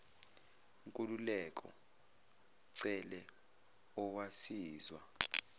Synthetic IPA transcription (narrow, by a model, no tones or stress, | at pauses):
uŋkʼululɛkʼɔ̰ | ǀɛlɛ | ɔwasiːzwa